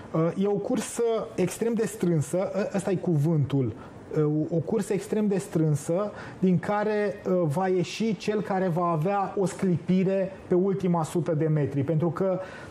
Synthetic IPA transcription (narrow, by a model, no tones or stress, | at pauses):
əje̞o̞kursəekst̪ɾe̞md̪e̞st̪ɾɨnsəʔəʔəst̪ajekuvɨnt̪ul | okursəekst̪ɾe̞md̪e̞st̪ɾɨnsə | d̪iŋkaɾe̞vaje̞ʃit͡ʃe̞lkaɾe̞vaːveao̞sklipiɾe̞pe̞ult̪imasut̪əd̪e̞me̞t̪ɾipe̞nt̪ɾukə